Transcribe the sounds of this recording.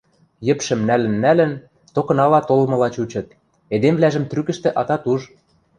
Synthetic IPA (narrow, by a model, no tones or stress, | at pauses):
jə̆pʃə̆mnælɘ̆nːælə̆n | t̪okɤ̆nɑlɑt̪olmɤ̆lɑt͡ɕut͡ɕɤ̆t̪̚ | ed̪emvlæʒə̆mt̪rykɘ̆ʃt̪ĕʔɑt̪ɑt̪uʒ